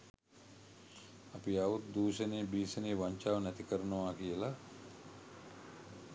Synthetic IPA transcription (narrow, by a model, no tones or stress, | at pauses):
apiaʋut̪̚d̪uːʃəneːbiːsəneːʋaɲt͡ʃaːʋnɛt̪ikəɾənəʋaːkijəla